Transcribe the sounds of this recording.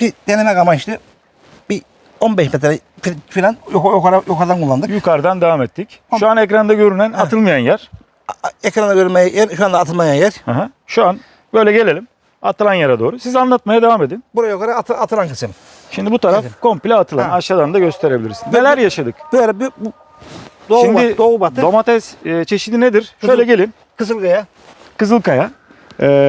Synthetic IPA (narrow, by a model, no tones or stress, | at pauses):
bid̪enemɛkamaiʃt̪ɯ | bi | onbɛʃmɛt̪ɾɛfifilʲanjjokaɾajokʰaɾd̪ankʰulˠːand̪ɯkjukʰaɾd̪and̪evaːmɛt̪ʰːicʃuanekɾand̪aɟø̞ɾynænat̪ɯlˠmajanjæɾ̥ | ɛkɾand̪aɟøɾymajjæɾʃuand̪aːt̪ʰɯlˠmajanjæɾhaɦa | ʃuan | bø̞jlʲɛɟe̞lʲe̞lʲim | at̪ʰɯlˠanjaɾad̪o̞ːɾusizanlˠat̪̚majad̪e̞vaːme̞d̪inbuɾajokaɾaat̪ʰat̪ʰɯlˠankɯ̥sɯm | ʃimd̪ibut̪ʰaɾafkʰo̞mpilʲɛːt̪ʰɯlˠa̰naʃad̪and̪aɟø̞st̪ʰe̞ɾebilʲiɾsinznelʲæɾjaʃad̪ɯkb̥lɛbb | d̪oʃimd̪id̪oːbat̪d̪omat̪ʰɛsːt͡ʃʰe̞ʃid̪ined̪iɾʃøjlʲɛɟe̞lʲin | kʰɯzɯlˠkaja | kɯzɯlˠkʰaja | ɛː